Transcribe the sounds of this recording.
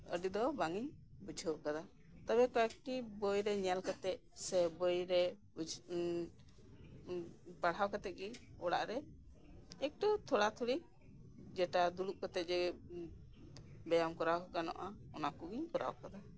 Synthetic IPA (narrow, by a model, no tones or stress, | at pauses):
ə̰ɖid̪ɔbaŋiɲbud͡ʒʱəwkad̪a | t̪abɛkɔɛk̚ʈibɔjɾɛɲɛlkat̪ɛc̪̚ | sɛbɔjɾɛ | paɽ̤awkat̪ɛt̪̚ɡiɔɽa̰ʔɾɛ | ɛk̚ʈɔt̪ʰɔɽat̪ʰuɽi | d͡ʒɛʈad̪uluʔkɔt̪ɛt̪̚d͡ʒɛ | bɛjamkɔɾawɦɔkanɔ̰ʔaɔnakuɡiɲkɔɾa̰wkad̪a